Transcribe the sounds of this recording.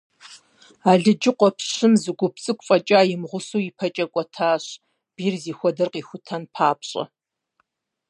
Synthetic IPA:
aːɮɨd͡ʒɪqʷɔpʰɕɪmzɨɡʷʊpt͡sʼɨkʷʼfʼɐt͡ʃʼaːjɪmʁʷʊsuːipʰɐt͡ʃʼɐkʷʼɔtʰaːɕ | b̥iːrziːxʷɔdɨrqiːxʷʊtʰɐnpʰaːpɕʼɐ̰

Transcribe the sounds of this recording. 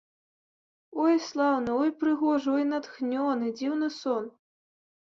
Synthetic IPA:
ɔjslˠawnɨɔjpɾɨɣɔʐɨɔjnat̪xnʲɔnɨd͡zʲiwnɨsɔn

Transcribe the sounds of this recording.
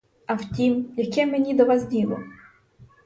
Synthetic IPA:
ɐwtʲimjɐkɛmenʲid̪ɔʋɑsdʲilˠɔ̰

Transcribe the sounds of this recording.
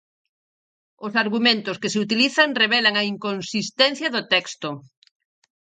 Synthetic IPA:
ʊsaɾɣumẽnt̪oskeseut̪iliθaŋreβ̞ɛlaŋaiŋkonsist̪ɛn̟θjɐðʊt̪ɛkst̪o

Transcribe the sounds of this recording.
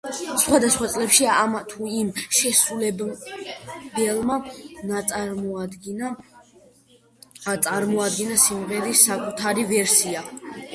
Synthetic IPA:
sχwad̪asχwat̪sʼlɛpʃiamat̪ʰuimʃɛsulɛ | bɛlˠmanat̪sʼaɾmɔad̪ɡna | t̪sʼaɾmɔad̪ɡɛnasimʁɛɾisːakʼut̪ʰaɾivɛɾsia

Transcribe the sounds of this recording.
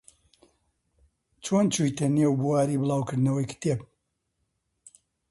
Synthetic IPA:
t͡ʃʰoːnt͡ʃujt̪ʰɐneːwbuwaːɾiːbɨlˠaːwkɨɾd̪nɐwɐjkʰɨ̥t̪eb̚

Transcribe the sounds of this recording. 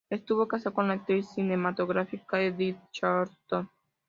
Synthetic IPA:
est̪uvokasakonlat̪ːɾisinemat̪oɣɾafikaedit̪t͡ʃaɾt̪on

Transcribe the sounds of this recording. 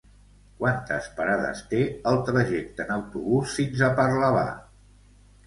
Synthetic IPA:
kwant̪ə̰spəɾaðə̰st̪eəlˠt̪ɾəʒɛk̚t̪ənəwt̪uβusfinzəpəɾləβa̰

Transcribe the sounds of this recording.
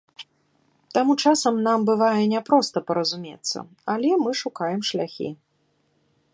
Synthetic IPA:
t̪amut͡ʂasɐmnambɨvajɛnʲɛpɾɔst̪ɐpɐɾɐzumʲet̪sːɐ̰ | alʲɛmɨʂukajɛmʂlʲaxʲḭ

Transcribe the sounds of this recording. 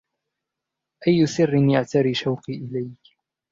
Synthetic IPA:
ʔajːʊsɪrːɪnjaʕt̪aɾiːʃawqiːʔɪlajk

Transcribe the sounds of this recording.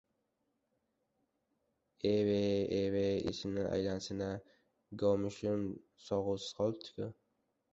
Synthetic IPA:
eweeweɪ̰sɪnɪʔa̰jlansɪna | ɡɒmɪʃʊm | sɒʁʊsɪ̥z̥qʰɒl̚ˠt̪ʰːɪ̥kʰʲʊ

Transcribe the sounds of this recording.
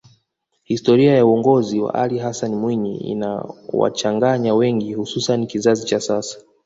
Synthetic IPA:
histɔɾiajauɔŋɡɔziwa̰ʔaliɦasanmwiɲiḭna̰wa̰t͡ʃaŋɡaɲawɛŋɡihususanikizazit͡ʃasasḁ

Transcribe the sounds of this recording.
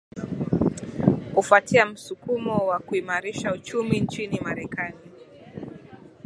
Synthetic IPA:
kufatiam̩sukumɔwakuimaɾiʃaut͡ʃumint͡ʃinimaɾɛkani

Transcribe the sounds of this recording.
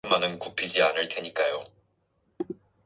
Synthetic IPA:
manɯnkupʰid͡ʑianɯɭtweɲik͈ajo

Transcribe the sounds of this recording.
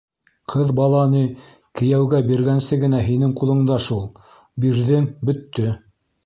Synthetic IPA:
qʰɤðbɑlˠɑni | kɘ̆jæwɡæbiɾɡænsɘɡɘ̆næɦinɘŋqulˠɤ̆ɴd̪ɑʃulˠ | biɾðɘŋbɵ̆t̪ːɵ

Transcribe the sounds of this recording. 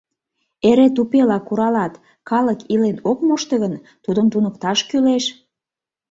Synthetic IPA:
eɾet̪upelɑkuɾɑlɑt̪ | kɑləkilenokmoʃt̪əɣən | t̪ud̪ənt̪unəkt̪ɑʃkyleʃ

